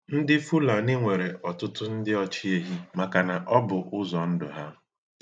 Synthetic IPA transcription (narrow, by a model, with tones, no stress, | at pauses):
n̩˦dɪ˦fu˦la˨nɪ˦ŋʷe˨ɾe˨ʔɔ˨tʊ˦tʊ˦n̩˦dɪ˦ɔ˦t͡ʃi˦e˦ɦi˦ma˨ka˨na˨ʔɔ˦bʊ˨ʔʊ˦zɔ˨n̩˦dʊ˨ɦa˦